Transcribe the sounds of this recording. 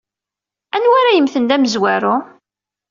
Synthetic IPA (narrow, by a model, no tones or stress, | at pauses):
ænwaɾæjəmθənd̪æməzwæɾʊ